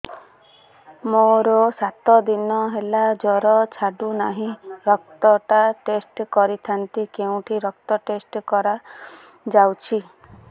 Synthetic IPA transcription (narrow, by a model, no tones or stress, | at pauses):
moɾɔsat̪ɔd̪inɔɦelad͡ʒɔɾɔt͡ʃʰaɖunaɦĩɾɔk̚t̪ɔʈaʈesʈkɔɾit̪ʰant̪ikeũʈʰiɾɔk̚t̪ɔʈesʈkɔɾa | d͡ʒawt͡ʃʰi